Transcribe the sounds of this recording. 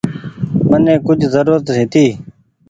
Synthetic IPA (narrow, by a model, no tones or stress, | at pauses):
mənẽːkʊd͡ʒʱzəɾuːɾət̪ɦɪ̃ːt̪iː